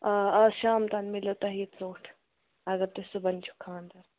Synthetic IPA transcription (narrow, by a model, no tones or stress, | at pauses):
ɐɐʃaːmt̪ɐnmilot̪ɐɦiːt̪t͡soːʈʰ | ɐɡɐɾt̪esubɐnt͡ʃʰu̥kʰaːnd̪ɐɾ